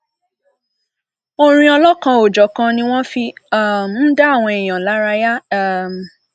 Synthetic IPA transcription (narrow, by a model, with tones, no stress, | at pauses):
o˧ɾ̃ĩ˧ɔ˧lɔ˦kã˧o˨d͡ʒɔ˨˦kã˧nĩ˦w̃ɔ̃˦fi˧a˦˨m˨˦n̩˦da˦a˦˨w̃ɔ̃˧e˨j̃ã˨la˨˦ɾa˧ja˦˨